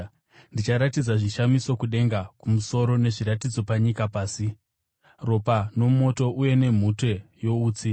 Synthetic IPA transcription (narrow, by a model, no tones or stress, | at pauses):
ndit͡ʃaɾatid͡zaʐiʃamiso̞kuɗe̞ŋɡakumuso̞ɾo̞ne̞ʐiɾatid͡zo̞paɲikapaːsi | ro̞pano̞mo̞to̞ʔuje̞ne̞m̤utwe̞jo̞uːt͡si